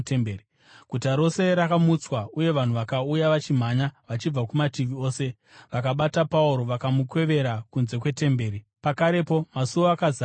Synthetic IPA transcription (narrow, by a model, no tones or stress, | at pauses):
teei | kutaɾo̞se̞ɾakamut͡swauje̞ʋan̤uʋakaujaʋat͡ʃim̤aɲaʋat͡ʃib͡vakumatiʋio̞ːse̞ | ʋakaɓatapauɾo̞ʋakamukwe̞ʋe̞ɾakunze̞kwe̞te̞mbe̞ːɾi | pakaɾe̞po̞masuoakaza